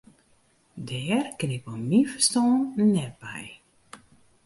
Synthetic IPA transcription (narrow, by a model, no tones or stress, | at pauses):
dɛːrkɪnɪpomifə̥stɔːnnɛt̚bɛj